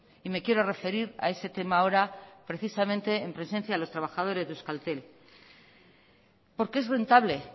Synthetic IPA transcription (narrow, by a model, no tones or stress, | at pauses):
ime̞kje̞ɾo̞re̞fe̞ɾiɾa̰e̞se̞t̪e̞mao̞ɾapɾe̞θisamẽ̞nt̪e̞ːmpɾe̞se̞nθjalo̞st̪ɾaβ̞axað̞o̞ɾe̞zðeuskalt̪e̞l | po̞ɾke̞e̞zre̞nt̪aβle̞